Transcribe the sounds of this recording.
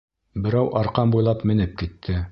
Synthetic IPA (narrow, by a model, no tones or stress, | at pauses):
bɘ̆ɾæwʔɑɾqɑmbujlˠɑpmɘ̆nɘp̚kit̪ʰːɘ